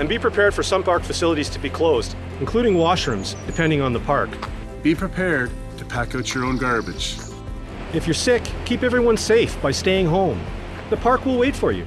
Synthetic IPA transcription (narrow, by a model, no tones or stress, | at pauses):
ɨ̃nbipʰɹ̥ɨpʰɛɹd̥fə˞sʌ̃mpʰɑɹkfɨsɪlˠəɾiz̥tʰɨbikʰl̥oʊzd | ɨ̃nkʰl̥uɾɪ̃ŋwɑʃɹɨ̃mzd̥ɨpʰɛ̃ndɪ̃ŋə̃nðəpʰɑɹk | b̥ipʰɹ̥ɨpʰɛɹd̚ | tʰɨpʰækoʊt͡ʃə˞õʊ̃nɡɑɹbɨ̥d͡ʒ̥ | ɨfjə˞sɪkʰːipɛvɹiwʌ̃nseɪfb̥aɪsteɪɪ̃ŋɦõʊ̃m | ðəpʰɑɹkwɪlˠweɪtfə˞jʉ̰